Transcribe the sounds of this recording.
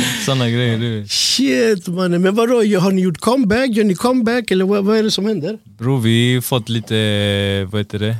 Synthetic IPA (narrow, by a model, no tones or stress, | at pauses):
sɔnːəɡɾɛjəɖʉçɪt̪mɑnəmɛnʋɑd̪ɔjɑɦɑnɪjʊʈːkʰɔmbækːjhɑnɪkʰɔmbækːɛlːəɾʋɑvɑɛɖɛsɔmhɛnd̪əɾ | bɾuːʋɪfɔt̪ːliːt̪əʋɑhɛt̪əd̪ɛ